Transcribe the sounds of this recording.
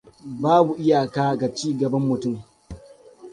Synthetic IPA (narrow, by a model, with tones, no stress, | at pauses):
baː˦bu˨ʔɪ˦ja˨kaː˦˨ɡa˨t͡ʃiː˦ɡɐ˨bɐ˦mːʊ˨tʊ˦m